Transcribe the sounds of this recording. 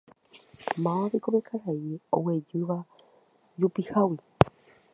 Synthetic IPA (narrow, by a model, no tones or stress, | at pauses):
mãβikoβekʰaɾaio̰wed͡ʒɨʋa | d͡ʒupihawi